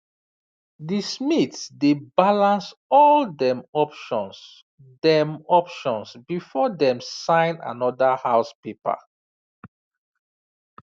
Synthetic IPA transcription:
dismitsdebalãnsɔldɛ̃mɔpʃɔ̃ns | dɛ̃mɔpʃɔ̃nsbifɔdɛ̃msãɪ̃na̰nɔdahaʊspepa̰

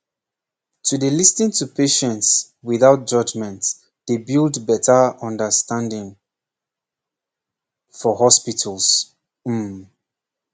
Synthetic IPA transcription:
tʰudəlistĩŋtupʰeʃɛ̃nts | wiðaʊt̚d͡ʒʌd͡ʒmɛ̃nt | ð̥ebilˠdbɛtʰəɔ̃ndəstãndɪ̃ŋ | fɔhɔspitʰəlˠs | m̩m

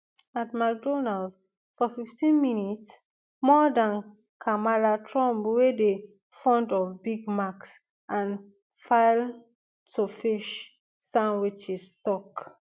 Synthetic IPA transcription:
atmak̚dɔnald | fɔfiftĩnminits | mɔdãn | kʰamalatʰɹɔ̃mbwede | fɔ̃ndɔfbiɡmaks | ʔãn | faɪl | tofiʃ | sãnwit͡ʃistɔk

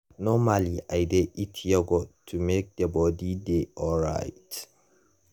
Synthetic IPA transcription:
nɔmaliʔajdɛʔitʰjɛɡɔtʰumek̚dɛbɔdideʔɔlɹa̰jt

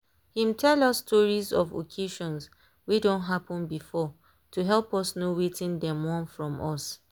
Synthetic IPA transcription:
hĩmtʰɛlɔsːtʰɔɹizɔ̰vo̰kʰeʃɔ̃ns | wedõntɦapɔ̃nbifɔ | tuɦɛlˠpɔsnowetĩndɛ̃mwɔ̃nfɹɔ̃mʔɔs

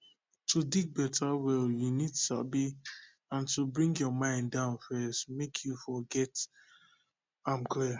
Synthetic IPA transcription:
tʰudiɡ̚bɛtʰawɛljunidsa̰bi | ãntubɹĩŋɡjɔmãɪ̃ndãʊ̃nfɛstmekʰjufɔɡɛt | ãɪmkli

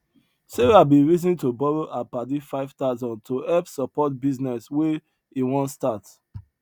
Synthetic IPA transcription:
seɹabiɹizĩntobɔɹoʔapadifaɪv̥taʊzɔ̃ntʰoɛpsɔpɔt̚biznɛswɛ | iwɔ̃nstat

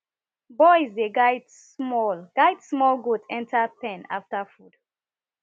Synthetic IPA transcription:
bɔjzdeɡaɪd | smɔlɡ̥aɪdsmɔlɡudɛ̃ntʰapɛ̃na̰ftafud̥

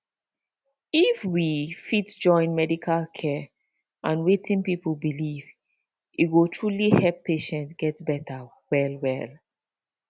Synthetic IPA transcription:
ifwifitd͡ʒɔ̃ɪ̃nmɛdikʰalkʰɛ | ʔãnwetĩnpipəlbiliv | iɡotʰɹulihɛlpːeʃɛ̃ntɡɛtbɛta | wɛlwɛl

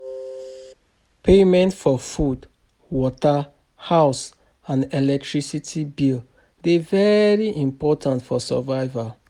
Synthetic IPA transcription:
pʰemɛ̃ntfɔfud | wɔta | haʊs | ãnelɛk̚tʰɹisitʰibil | devɛɹiʔĩmpɔtʰãntfɔsa̰vaɪva

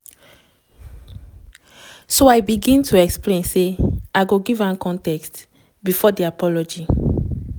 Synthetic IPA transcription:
soajbiɡĩntʰuɛksplẽnseaɡoɡivãnkɔ̃ntɛkst | bifɔdiapɔlɔd͡ʒi

